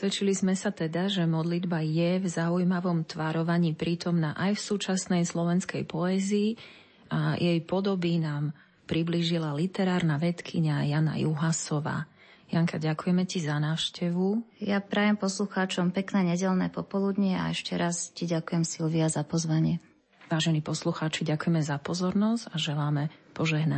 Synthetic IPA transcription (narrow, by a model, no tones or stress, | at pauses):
sʋɛt͡ʃilizmɛsat̪ɛd̪aʒɛmɔd̪lid̪bajɛvzaujmaʋɔmt̪ʋaɾɔʋaɲiːpɾiːt̪ɔmnaʔajfsuːt͡ʃasnɛjslɔʋɛnskɛjpɔɛːziː | ʔajɛjpɔd̪ɔbinaːm | pɾibliʒilalit̪ɛɾaːɾnaʋɛt̪kʰiɲajana̰juɦasɔʋa̰ː | jaŋkaɟakujɛmɛcizanaːʊʃcɛʋujapɾaːjɛmpɔsluxaːt͡ʃɔmpɛknɛːɲɛɟɛlnɛ̰ːpɔpɔlud̪ɲia̰ɛʃcɛɾʔasciɟakujɛmsilʋiazapɔzʋaɲɪɛ | ʋaːʒɛniːpɔsluxaːt͡ʃiɟakujɛmɛzapɔzɔɾnɔzɟ̥aʒɛlaːmɛpɔʒɛɦna